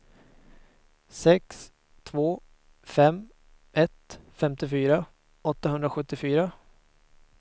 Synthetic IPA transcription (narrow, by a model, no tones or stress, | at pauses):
sɛks | t̪ʰvoː | fɛm | ɛt̪fɛmt̪ɪfyːɾa | ɔt̪ːahɦɵnd̪ɾaɧɵt̪ːɪfyːɾa